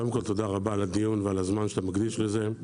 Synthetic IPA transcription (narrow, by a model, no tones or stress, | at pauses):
od̪emko̞lt̪o̞d̪aʁabaːlad̪ijunvealazmanʃe̥t̪amaɡd̪iʃleze̞